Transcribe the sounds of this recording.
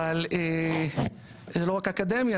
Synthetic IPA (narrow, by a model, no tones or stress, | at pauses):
aleː | zeloʁakakad̪emja